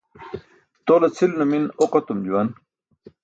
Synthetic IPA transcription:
t̪olɐt͡sʰilnuminoqɐt̪umd͡ʑuwɐn

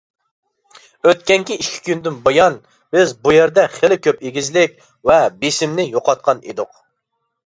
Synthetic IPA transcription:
øt̪̚kʲɛŋkʲiiʃkʲʰi̥kʲynd̪ɪnbojɑn | bɪzbujeɾd̪ɛχelɪkʲʰøpeɡʲizlɪkʲ | vɛbesɪmnɪjoqɑt̪̚qʰɑniḛd̪ʊq

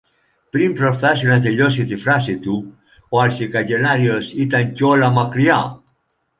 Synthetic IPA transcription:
pɾimpɾo̞fθɐsinɐt̪e̞ʎo̞sit̪ifɾɐsit̪u | oɐlθikɐʝe̞nɐɾio̞sit̪ɐɲceo̞lɐmɐkɾiɐ

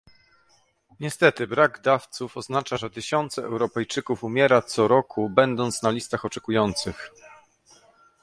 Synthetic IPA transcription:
ɲɛst̪ɛt̪ɘbɾaɡd̪aft̪sufɔznat͡ʂaʐɛt̪ɘɕɔnt̪sɛɛwɾɔpɛjt͡ʂɘkufumʲjɛɾat̪sɔɾɔkʰubɛnd̪ɔnt̪snalʲist̪axɔt͡ʂɛkujɔnt̪sɘx

